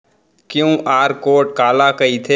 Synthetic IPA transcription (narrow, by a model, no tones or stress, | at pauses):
kjũːʔaːɾkoːʈ̚kaːlakɐit̪ʰe